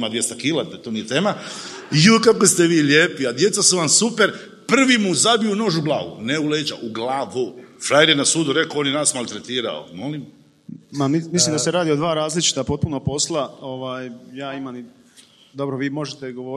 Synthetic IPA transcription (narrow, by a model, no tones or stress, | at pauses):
mad̪ʋje̞st̪akiːlat̪at̪oːnijet̪e̞ːma | iokakost̪eʋiːʎjeːpiad̪je̞t̪sasuʋamsupeɾ | pr̩ʋimuzabijuno̞ːʒublˠa̰ːɡṵneuleːd͡ʒa̰ʔuɡlaːʋufɾajɾjenasuːd̪uɾe̞kooːnjenaːsmalʲˠt̪ɾet̪iːɾa̰o̰mo̞lim | mamimislimd̪aseɾaːd̪iod̪ʋaːɾaːzlit͡ʃi̥t̪apo̞t̪̚punopo̞slˠao̞ʋaːjjaːimani | d̪o̞bɾoʋiːmo̞ʒet̪eɡoʋo